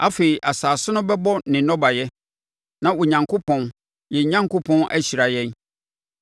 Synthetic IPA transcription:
a̰˦fe˨i˨ʔa˨saː˨sʊ˦nʊ̃˦bɛ˦bɔ˦nɪ̃˨nɔ̃˦ba˨jɛ˦ | nã˦˨wo˨ɲã˨ŋkʰʊ˦pʰɔ̃˦n | jɛ˨˦ɲã˦ŋko˦pʰɔ̃˦nʔæ̰˦ɕi˨ɾa˨jɛ̃˦n

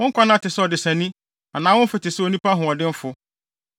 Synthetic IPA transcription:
wʊ̃˦ŋ̩˦kʷʰa˦nã˦˨tɪ˨sɛ˦ɔ˨dɪ˨sæ̃˨nĩ˦ | a˨nãː˨˦wʊ̃˦n̩˦fɪ˨tɪ˨sɛ˦o˨nũ˦pa˦ɦʊ̃˨ɔ˨dɪ˦m̩˦fʊ˦

